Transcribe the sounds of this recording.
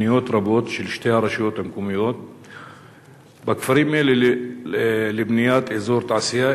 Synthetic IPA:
ijoːt̪ɾˤɑboːt̪ʃɪlʃt̪eaɾˤɑʃjoːt̪amkumijoːt̪̚ | bakfaɾiːmel | lɪbnɪjaːt̪izoːɾt̪aʕsɪja

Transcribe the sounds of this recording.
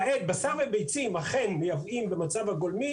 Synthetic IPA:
ʔet̪̚basavebejt͡simhaχenmejavimbemat͡savaɡolmi

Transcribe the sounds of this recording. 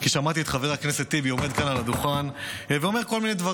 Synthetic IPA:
kiʃamat̪iet̪χave̞ʁakneset̪ːiviome̞d̪̚kanalad̪uχanveo̞me̞ʁko̞lmined̪va

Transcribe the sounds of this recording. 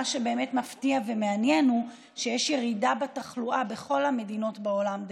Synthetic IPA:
aʃebe̞ːmetmaftiavemeanjenu | ʃejɛʃjeʁidabataχluʔabe̞χo̞lhame̞dino̞tbao̞lamd

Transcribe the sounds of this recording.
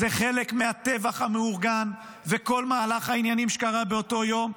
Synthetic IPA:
zeχe̞le̞kmeat̪e̞vaχameuʁɡan | ve̞ko̞lmaːlaχainjanimʃe̥kaʁabe̞o̞to̞jo̞m

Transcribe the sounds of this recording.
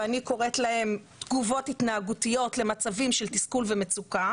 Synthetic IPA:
aniko̞ʁe̞tlahe̞mt̪ɡuvo̞tit̪naːɡutijo̞tle̞mat͡savimʃe̞ltiskulveme̞t͡suka

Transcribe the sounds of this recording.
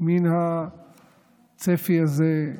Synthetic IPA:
minha | t͡sefiaze

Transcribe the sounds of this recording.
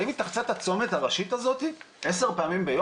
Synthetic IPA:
imitaχt͡sat̪hat͡so̞met̪aʁaʃit̪azo̞t̪i | ʔe̞s̬e̞ʁpeamimbejo

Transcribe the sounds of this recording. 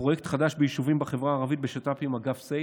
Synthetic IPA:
o̞jekt̪χadaʃbejiʃuvimbaχevʁaːʁavit̪̚beʃatapimaɡafse

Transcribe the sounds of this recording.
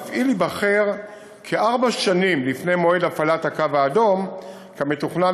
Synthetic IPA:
fʔilibaχeʁ | kʰeʔaʁbaʃanimlifne̞jmo̞edafalathakavaːdo̞m | kame̞tuχna

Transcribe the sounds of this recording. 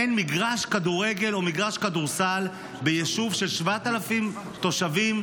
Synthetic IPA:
enmiɡʁaʃkaduʁe̞ɡe̞lo̞miɡʁaʃkaduʁsal | be̞jeʃuvʃe̞lʃvat̪alafim | t̪o̞ʃavim

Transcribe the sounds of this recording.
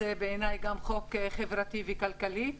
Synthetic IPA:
ebeːnajɡamχo̞kχevʁat̪ivekalkali

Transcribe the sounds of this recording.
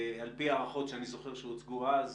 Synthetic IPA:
alpiaːʁaχo̞tʃeanizo̞χeʁʃeut͡sɡuaz

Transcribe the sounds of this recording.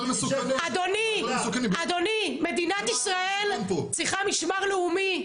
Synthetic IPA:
mɐsunad̪onisukanad̪o̞nime̞d̪inat̪isʁae̞lmpot͡siχamiʃmaʁleumi

